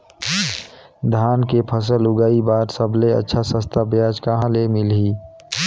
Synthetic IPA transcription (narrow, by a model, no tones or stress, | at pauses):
d̪ʱaːnkepʰəs̬əlʊɡaːibaːɾsəbleə̰tːʃʰasə̃st̪ʰabjaːd͡ʒkəɦãlemɪlɦiː